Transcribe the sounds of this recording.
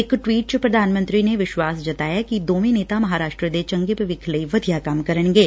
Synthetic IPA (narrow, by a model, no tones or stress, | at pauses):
ɪkʈwiːʈ̚t͡ʃəpɾəd̪ʱaːnmə̃nt̪ɾiːneʋɪʃwaːsd͡ʒət̪aːjaːkid̪oːʋẽneːt̪aːmɐɦaːɾaːʃʈɾəd̪et͡ʃə̃ŋɡepəʋɪkʰləiʋəd̪ʱijaːkɐmkəɾəɳɡeː